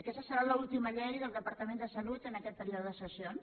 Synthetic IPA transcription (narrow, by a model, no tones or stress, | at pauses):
əkɛst̪əsəɾaləulˠt̪iməʎɛjðəlˠd̪əpəɾt̪əmend̪əsəlut̪ənəkɛt̪̚pəɾiuðəsəsions